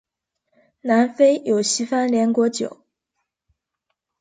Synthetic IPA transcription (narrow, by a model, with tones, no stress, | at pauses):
na˧˥nfe˥ɪjo˨˩ʊɕi˥fa˥nljɛ˧˥nkwɔ˧˥t͡ɕjo̰˨˩˦ʊ